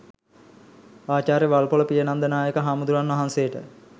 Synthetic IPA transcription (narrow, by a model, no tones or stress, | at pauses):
aːt͡ʃaːɾeʋalpoləpijənand̪ənaːjəkəɦaːmud̪uɾanʋɐɦansejəʈə̰